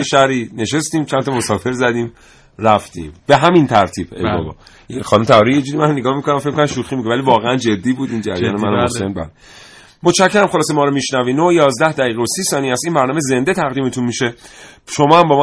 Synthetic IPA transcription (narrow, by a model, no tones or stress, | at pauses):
eʃæɾiːne̞ʃe̞st̪ĩːmt͡ʃʰænt̪ʰɒmosɒːfe̞ɾzæd̪iːm | ræft̪ḭːmb̥e̞ɦæmint̪ʰæɾt̪ʰiːb̥ḛjbɒ̰bɒ̰ː | xɒːnumet̪ʰæɒːɾijed͡ʒuːd̪imænneɡɒːhmikonæmfek̚mikonmʃuxiːmikovælivɒːɣeænd͡ʒe̞d̪ːiːbuːd̪ind͡ʒæ̰ɾjɒ̰ːnemænæmosenbæ̰ːle | mot̪ʃʰæcʰːeɾæmχo̞lɒːsemɒːɾomiʃnæviːnojɒːzd̪æhd̪æɣiːɣeosiːsɒːniːæst̪iːnbæɾnɒːmeze̞nd̪e̞t̪ʰæɣd̪iːmet̪ʰunmiʃeʃo̞mɒːhæmbɒːm